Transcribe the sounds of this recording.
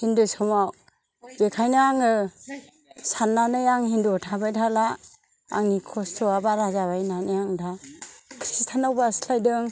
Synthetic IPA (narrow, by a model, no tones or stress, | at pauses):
hindɯsɔmaw | bekʰajnaːŋɯ | sanːanɯjaŋhindɔtʰabajdʰala | a̰ŋnikʰɔstʰɔabaɾazabajnanɯjaŋdakʰɾistʰanawbaslajdɯŋ